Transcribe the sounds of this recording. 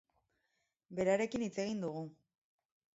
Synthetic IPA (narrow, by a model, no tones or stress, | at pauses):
be̞ɾaɾe̞kinit͡se̞ɣ̞ind̪uɣ̞u